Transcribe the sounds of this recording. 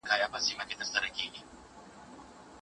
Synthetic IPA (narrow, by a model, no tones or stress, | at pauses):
kajapasimakɛt̪asaɾakiɲi